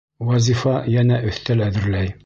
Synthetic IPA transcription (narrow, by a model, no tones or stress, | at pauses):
wɑzʲifɑjænæʔɵ̆θt̪ælæðɘ̆ɾlæj